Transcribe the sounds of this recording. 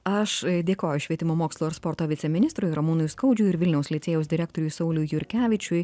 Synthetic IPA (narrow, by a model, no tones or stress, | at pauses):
ɐʃd̪ʲeːkoːjʊʃʲʋʲiɛt̪ʲɪmoːmoːkslˠuːɪɾspɔɾt̪oːʋʲɪt̪sʲɛmʲɪnʲɪst̪ɾʊjɾɐmuːnʊjskɐʊd͡ʒʲʊɪɾʋʲɪlʲnʲɛʊslʲɛɪt̪sʲeːjɛʊsd̪ʲɪɾʲæːk̚t̪oɾʲʊjsɐʊlʲʊjjʊɾʲkʲæːʋʲɪt͡ʃʲʊj